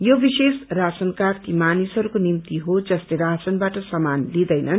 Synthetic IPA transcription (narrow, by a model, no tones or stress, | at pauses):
jobisesrat͡sʌnkart̪imanisʌɾukonimt̪iɦod͡zʌsleɾat͡sʌnbaʈʌsʌmanlid̪ʌjnʌn